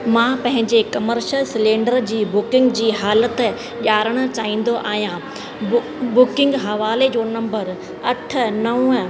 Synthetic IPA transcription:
mãːpɐ̃ɦɪ̃ɲd͡ʑekɐməɾʃəlsɪlẽːɳɖəɾd͡ʑiːbʊkɪ̃ŋɡd͡ʑiːɦaːlət̪ | ʄaːɾəɽ̃ʊ̆t͡ɕaːɦĩːn̆d̪oʔaːɦijã | bʊkɪ̃ŋɡɦɐʋaːled͡ʑoːnɐ̃mbəɾ | ɐʈ̆ʰnɐ̃

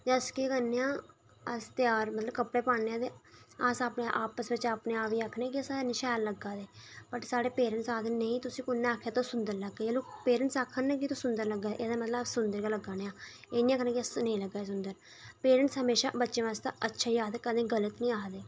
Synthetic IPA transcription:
d͡ʒəskikəneːãː | əst̪ɪjaːɾmət̪ləbkəpɽeːpaːeːãːt̪eːasaːpneʔaːpəsbɪt͡ʃaːpneaːpiːaːkʰːneãːk̬iəsãːnɪːʃɛːlləɡaːd̪eːbəʈsaːɽeːpeːɾəɳsaːd̪enəĩːt̪ʊsĩːkʊnːẽaːkʰːeːt̪õːsʊnd̪əɾləɡeːeːloːpeːɾəɳʈsaːkʰːənːɛːk̬it̪õːsʊnd̪əɾləɡːaːeʔeːd̪aːmət̪ləbsʊnd̪əɾkaːləɡaːneːãː | eːnĩːãːkʰnẽːkiəsnə̃ĩːləɡːaːeːs̬ʊnd̪əɾ | peːɾəɳʈsɦəmeːʃaːbətːʃẽːʋaːst̪a̰ʔətːʃʰaːijaːd̪eːkəd̪ẽːɡələt̪nĩːaːd̪eː

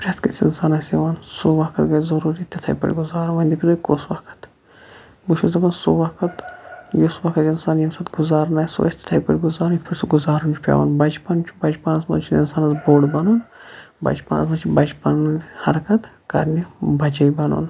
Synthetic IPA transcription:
pɾʲɐt̪kɐt͡sinsaːnɐsiʋaːnsoʋɐkʰɐt̪ɡɐjzɐɾuːɾit̪ʲɐt̪ʰɐ̰jpɐ̰ɾʲɡuzaːɾʋɐnʲd̪ʲipʰʲid̪okosʋɐkʰɐ̥t̪ | buʃʰuzɐbɐnsoʋɐkʰɐt̪josʋɐkʰɐt̪insaːnjimsɐt̪ɡuzaːɾnaːjso̰ɐ̰sʲt̪ʰʲɐ̥t̪ʰɐjpɐɾʲɡuzaːɾnit̪̚ʰpʰɐɾʲsoɡuzaːɾunt͡ʃʰu̥pʲa̰ːʋa̰ːnbɐd͡ʒpɐnt͡ʃʰubɐd͡ʒpaːnɐsmɐ̰t͡ʃʰiinsaːnɐsboːɽbɐnoːnbɐ̰d͡ʒpa̰ːnɐ̰smɐt͡ʃʰibɐd͡ʒpɐnhɐɾɐkɐt̪ | kɐ̰ɾnibɐd͡ʒɐjbɐno̰ːn

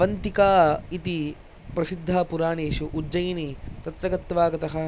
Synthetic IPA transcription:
ɐnt̪ikaːit̪i | pɾɐsid̪ʱːaːpuɾaːɳeːʃuʔud͡ʒɐjnit̪ɐt̪ɾɐɡɐt̪ʋaːɡɐt̪ɐɦɐ

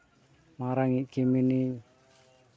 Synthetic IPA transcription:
maɾaŋikimini

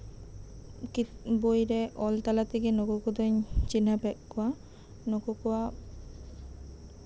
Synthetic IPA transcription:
kibojɾɛʔɔlt̪alat̪iɡɛnɔkɔkɔd̪ɔɲt͡ʃinapɛt̪̚kɔwa | nɔkɔkɔwa

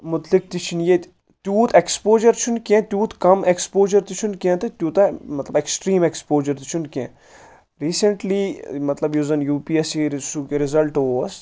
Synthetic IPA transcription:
mʊt̪lik̚t̪it͡ʃʰinjet̪ʲ | t̪juːt̪ekspoːd͡ʒɐɾt͡ʃʰunkʲẽt̪ʲjuːt̪kɐmekspoːʒɐɾt̪it͡ʃʰunkʲẽt̪ɨt̪ʲjuːt̪amɐt̪lɐbeksʈɾiːmekspoːd͡ʒɐɾt̪i̥t͡ʃʰunkʲḛ̃ | ɾiːsɐɳʈlimɐt̪lɐbjuzɐnjuːpiesisukɾɪzɐlʈoʋɐs

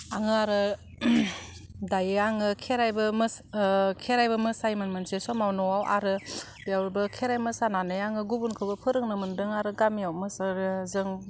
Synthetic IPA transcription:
aŋɯaɾɯ | dajaŋɯkʰeɾajbɯm | kʰeɾajbɯmɯsajmɯnmɯnsesɔmawnɔwawʔa̰ɾɯ | bijawɾbɯkʰeɾajmɯsananɯjaŋɯɡubunkʰɯbɯpʰɯɾɯŋnɯmɯndɯŋaɾɯɡamiawmɯsaɾzɯŋ

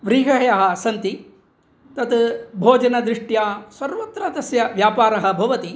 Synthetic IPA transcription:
ʋɾiːɦɐɦɐjɐɦɐ̆sɐnt̪i | t̪ɐt̪bʱoːd͡ʒɐnɐd̪ɾiʂʈjaːsɐɾʋɐt̪ɾɐd̪ɐsjɐʋjaːpaːɾɐɦɐ̆bʱɐʋɐt̪i

